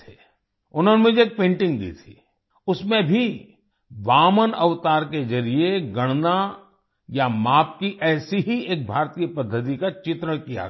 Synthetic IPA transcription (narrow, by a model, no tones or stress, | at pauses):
e | ʊnɦonemʊd͡ʒeeːk̚pẽːɳʈɪ̃ŋɡd̪ḭːt̪ʰi̥̰ | ʊsmẽbʱi | ʋaːmənɐʋt̪aːɾked͡ʒɐɾieɡɐɽ̃na | jamaːp̚kiʔɛːsiɦieːk̚bʱaːɾt̪iːjəpɐd̪ʱːət̪̬ikat͡ʃɪt̪ɾəɽ̃kija̰